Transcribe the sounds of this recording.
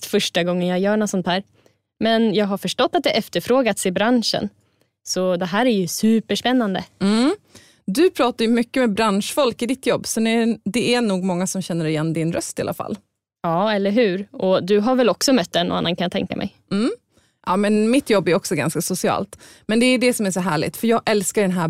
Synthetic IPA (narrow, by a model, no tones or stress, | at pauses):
fœʂʈaɡɔŋːənjaɡjœːɳɔt̪sɔnt̪ʰhæːɾ | mɛnjɑːɡɦaɾfœʂʈɔt̪ːat̪̚d̪ɛʔɛft̪əɾfɾoːɡat̪sɪbɾanʂə̰n | sɔd̪ɛɦæːɾæɾjɵsʉ̟ːpəʂpɛnːand̪ə̰m̩ | d̪ɵpʰɾɑːt̪aɾjɵmʏkːəmɛbɾanʂfɔlkɪd̪ɪt̪jɔbːsɔd̪ɛd̪ɛæɳuːɡmɔŋːasɔmɕɛnːəɾɪjɛnːd̪ɪnɾœst̪ɪala̰fa̰lː | ɑːɛlːəɾɦʉ̟ːɾɔd̪ɵɦaɾvɛlːɔksɔmœt̪̚d̪ɛnːɔ̰anːankʰanjat̪ʰɛ̰ŋka̰mʔɛ̰j | m̩ː | ʔɑːmɛnmɪt̪jɔbːæɾɔksɔɡa̰nskasʊsɪɑ̰ːlt̪ | mɛnd̪ɛːɖɛsɔmæʂ̬ɔɦæːɭɪ̰t̪fœɾjɑːɡʔɛlskaɖɛnɦæː